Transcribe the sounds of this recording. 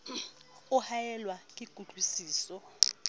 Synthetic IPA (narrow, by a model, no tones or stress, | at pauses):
uhajɛlwakʼiɡ̥ʱuɮʱwisiːsɔ